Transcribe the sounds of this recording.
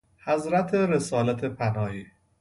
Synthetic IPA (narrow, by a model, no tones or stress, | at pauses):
hæzɾæt̪ʰeɾesɒːlæt̪ʰepʰænɒːhiː